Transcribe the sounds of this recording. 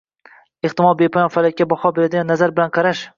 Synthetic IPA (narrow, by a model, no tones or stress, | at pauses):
eht̪ɪmɒlˠbe̞pʰɒjɒnfalɪkʲːabɒhɒbeɾad̪ɪɡʲanːazaɾbɪlanqʰɑɾaʃ